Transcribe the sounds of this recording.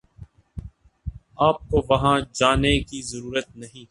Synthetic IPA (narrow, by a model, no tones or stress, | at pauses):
aːp̚koʋɐɦãd͡ʒaːnekizɐɾuːɾət̪̚nɐɦĩː